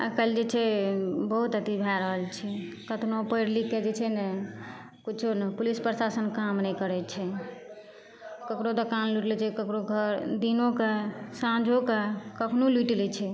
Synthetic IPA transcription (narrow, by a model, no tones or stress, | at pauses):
a̰kəld͡ʒet͡ʃʰɛbəɦut̪ət̪ibʱaɾəɦəlt͡ʃʰɛ | kət̪nopəjɾlikːed͡ʒet͡ʃʰɛne | kut͡ʃʰunepulispɾəsasənkamnɛjkəɾɛt͡ʃʰɛ | kəkɾod̪okanluʈlɛt͡ʃʰɛkəkɾoɡʱəɾd̪inokesãd͡ʒʱokekəkʰnoluʈlɛt͡ʃʰɛ